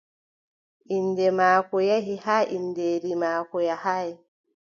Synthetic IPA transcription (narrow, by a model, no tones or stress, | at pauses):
ʔindɛmaːkɔjaɦihaːʔindeːɾimaːkɔjahaj